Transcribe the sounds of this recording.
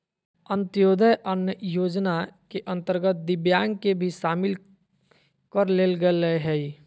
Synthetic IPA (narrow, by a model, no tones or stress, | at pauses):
ənt̪joːd̪ʱəjʔənjəjoːd͡ʒnakeʔə̃nt̪əɾɡət̪̚d̪ɪbjaːŋɡkebʱiʃaːmɪl | kəɾleːlɡələɦɛi